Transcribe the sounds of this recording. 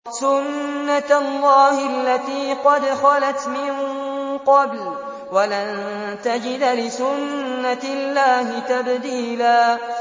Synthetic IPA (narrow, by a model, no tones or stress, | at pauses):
sʊnːalːɑːhalːat̪iːqɑd̪xɑlat̪mɪnqɑbl | walan | t̪ad͡ʒɪd̪lɪsʊnːalːaːhɪt̪abd̪iːlaː